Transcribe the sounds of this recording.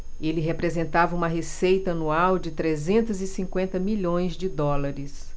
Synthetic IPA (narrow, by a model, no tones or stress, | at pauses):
elɪɦepɾezẽnt̪avɐũmɐɦesejt̪ɐɐnuawd͡ʒɪt̪ɾezẽnt̪ʊzɪsĩŋkwẽnt̪ɐmiʎõj̃zd͡ʒɪd̪ɔlaɾɪs